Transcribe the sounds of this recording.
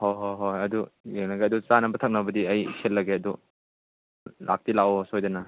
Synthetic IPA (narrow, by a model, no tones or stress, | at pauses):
hojɦoɦojɐdujeŋnaɡeɐdut͡ʃanɐbɐtʰɐk̚nɐbɐdiɐjsʰelːɐɡeɐdu | la̰k̚tilaosojdɐnɐ